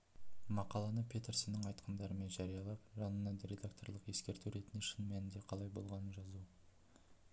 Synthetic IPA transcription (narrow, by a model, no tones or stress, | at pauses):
mɑqɑlˠɑnəpʲʰe̞t̪eɾsɪnːəɴɑjt̪qʰənd̪ɑɾəme̞nʒɑɾijɑlˠɑp̚ʒɑnənːɑnd̪ɾʲe̞d̪akt̪o̞ɾlˠəqe̞skʲe̞ɾt̪uɾe̞t̪ɪnʃənmænɪnd̪e̞qʰɑlˠɑjbo̞lˠʁɑnənʒɑzu